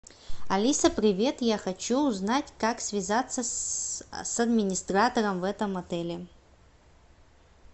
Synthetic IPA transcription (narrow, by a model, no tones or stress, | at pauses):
ɐlʲisəpɾʲɪvʲe̞t̪jaxɐt͡ɕuːznatʲkaksvʲɪzat̪sːə | sɐd̪mʲɪnʲɪst̪rat̪əɾəmvɛt̪əmɐt̪ɛlʲɪ